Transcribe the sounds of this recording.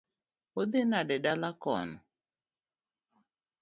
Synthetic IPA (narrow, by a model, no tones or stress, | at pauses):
od̪enaɗɛɗalakɔ̰nɔ